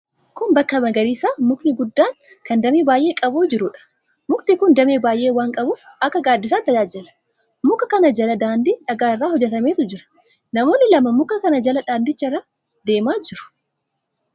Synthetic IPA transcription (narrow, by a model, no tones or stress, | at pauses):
kʊmbɐkːɐmɐɡɐɾiːsaːmʊknɪɡʊd̪ːaːŋ | kɐnd̪ɐmeːbaːjʔeːkʼɐbuːd͡ʒɪɾʊᶑɐ̥ | mʊkt̪ɪkʊnd̪ɐmeːbaːjʔeːwaːŋkʼɐbuːfɐkːɐɡaːd̪ːɪs̬aːt̪ːɐd͡ʒaːd͡ʒɛlɐ̥ | mʊkːɐkɐnɐd͡ʒɐlɐd̪aːnd̪iːᶑɐɡaːɪrːaːhɔd͡ʒːɛt̪ɐme̞ːt̪ʊd͡ʒɪɾɐ̥ | nɐmo̞ːnːɪlɐmɐmʊkːɐkɐnɐd͡ʒɐlɐᶑaːnd̪ɪt͡ʃːɐɪrːaː | d̪e̞ːmaːd͡ʒɪɾʊ̥